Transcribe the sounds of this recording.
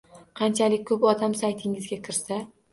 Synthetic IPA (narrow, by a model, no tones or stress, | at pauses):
qʰɑnt͡ʃʰalɪk̚ʲkʰɵpɒd̪amsajt̪ʰɪŋɪzɡʲakʲʰɪɾsa